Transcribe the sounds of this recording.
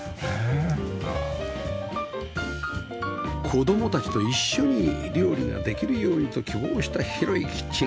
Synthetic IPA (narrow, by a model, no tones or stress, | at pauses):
e | kʰo̞d̪o̞mo̞t̪at͡ɕi̥t̪o̞iɕːo̞ɲ̟iɾʲo̞ːɾʲiŋa̰d̪e̞kʲiɾɯ̟jo̞ːɲ̟it̪o̞kʲibo̞ːɕi̥t̪açiɾo̞ikʲi̥t͡ɕːi